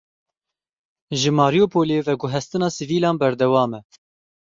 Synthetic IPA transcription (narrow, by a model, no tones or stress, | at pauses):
ʒɨmɑːɾijoːpʰoːleːvɛɡʊɦɛst̪ɨnɑːsiviːlɑːnbɛɾd̪ɛwɑːmɛ